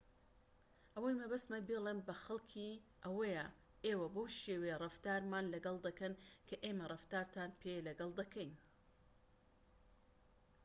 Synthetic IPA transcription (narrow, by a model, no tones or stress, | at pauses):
ʔɐwajmɐbɐst̪mɐnbelˠenbɐxɐlˠkʰiʔɐwɐja | ʔeːwɐbowʃeːwejrˤɐft̪aːɾmaːnlɐɡɐlˠd̪ɐkɐnkʰɐʔeːmɐrˤɐft̪aːɾt̪ʰaːnpʰelɐɡɐlˠd̪ɐkʰɐjn